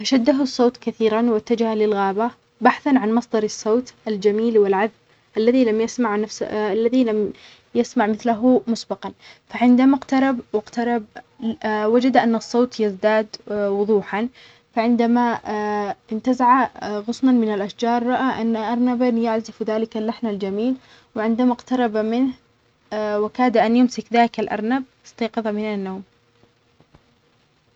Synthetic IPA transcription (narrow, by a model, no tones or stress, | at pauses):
ʔaʃad̪ːaɦʊsˤːoːt̪kaθiːɾanwɪt̪ːad͡ʒahalɪlɣaːba | baħθanʕanmɑsˤd̪ɑɾˤɑsˤːoːt̪ʔald͡ʒamiːlwɪlʕaðb | ʔalːaðilamjasmaʕnafsalːaðilam | jasmaʕmɪθlaɦʊmʊsbɑqɑnfaʕɪnd̪amaqt̪ɑɾˤɑbwɪqt̪ɑɾˤɑb̚ | wad͡ʒad̪ʔanːɨsˤːoːt̪jɪzd̪aːd̪wʊðˤuːħan | faʕɪnd̪ama | ɪnt̪azaʕaɣʊsˤnanmɪnalʔaʃd͡ʒɑːɾˤːɑʔaʔanːaʔɑɾˤnabanjaʕzɪfðaːlɪkalːaħnald͡ʒamiːl | wɪʕɪnd̪amaqt̪ɑɾˤɑbamɪnh | wɪkaːd̪aʔanjʊmsɪkðaːlɪkalʔɑ̰ɾˤnab̚ɪst̪ɑːqɑðˤɑmɪnanːoːm